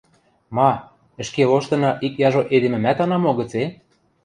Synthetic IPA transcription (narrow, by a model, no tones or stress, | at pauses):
mɑ | ə̆ʃkeloʃt̪ɤ̆nɤ̆ʔikjɑʒoʔed̪emɘ̆mæt̪ɑnɑmoɣɤ̆t͡se